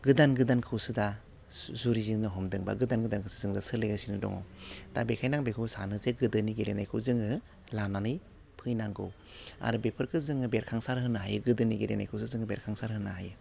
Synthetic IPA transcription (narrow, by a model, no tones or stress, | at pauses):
ɡɯdanɡɯdankʰɯwsɯda | zuɾizinɯɦɔmdɯŋba̰ɡɯdanɡɯdankʰɯsɯzɯŋdasɯleɡasinɯdɔ̰ŋɔ̰wd̥abekʰajnaŋbekʰɯwsa̰nɯzeɡɯdɯniɡeɾenajkʰɯzɯŋɯ | lananɯj | pʰɯjnaŋɡɯ̰w | a̰ɾubepʰɯɾkʰɯzɯŋɯbeɾkʰaŋsaɾɦɯnaɦajɯɡɯdɯniɡeɾena̰jkʰɯwsɯzɯŋɯbḛɾkʰaŋsaɾɦɯnaɦa̰jɯ